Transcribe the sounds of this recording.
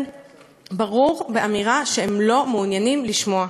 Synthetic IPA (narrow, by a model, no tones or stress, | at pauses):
baʁuʁbeʔamiʁaʃehemlo̞meunjanimliʃmo̞a